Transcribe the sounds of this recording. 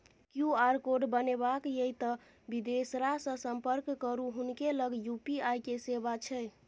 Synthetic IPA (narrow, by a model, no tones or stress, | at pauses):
kjuaɾkoɖbənebakjeit̪ə | bid̪esɾasə̃səmpəɾkkːəɾuɦunkeləɡjupiajkesebat͡ʃʰɛ